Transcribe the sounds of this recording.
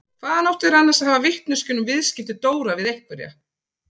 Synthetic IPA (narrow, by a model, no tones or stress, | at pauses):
kʰvaːðanowht̪ɪðɾanːaɾsaðhavavɪht̪nʏscʏnʏmvɪðscɪft̪ɪt̪oːwɾavɪðejhtk̪̚vʏɾja̰